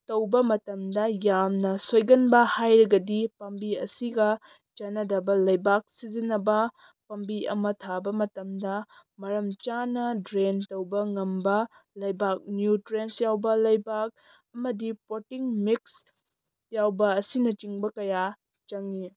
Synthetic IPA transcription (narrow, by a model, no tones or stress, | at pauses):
tɐwbɐmɐtɐmdɐjamnɐsojɡɐnbɐhajɾɐɡɐdipɐmbiɐ̰siɡɐ | t͡ʃɐnɐdɐbɐlɐjbak̚sizinːɐbɐ | pɐmbiɐ̰mɐtʰabɐmɐtɐmdɐmɐɾɐmt͡ʃanɐdɾentɐwbɐŋɐmbɐ | lɐjbak̚njutɾensjawbɐlɐjbak̚ | ɐmɐdipotiŋmiks | jawbɐːsinɐt͡ʃiŋbɐkɐja | t͡ʃɐŋi